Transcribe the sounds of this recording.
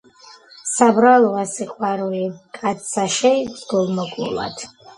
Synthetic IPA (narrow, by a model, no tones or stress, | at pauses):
sabɾalˠɔasiqʼwaɾulikʼat̪saʃɛibzɡɔlˠmɔkʼlṵlˠa̰d̪̥ʰ